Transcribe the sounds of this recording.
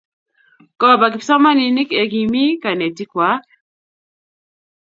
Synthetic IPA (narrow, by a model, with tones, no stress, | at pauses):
kɔ˦˨ba˨k̬i˨psa˦ma˦ni˨ni˦kɛ˨ki˨mi˦ka˨nɛ˨ti˦kwa˨˦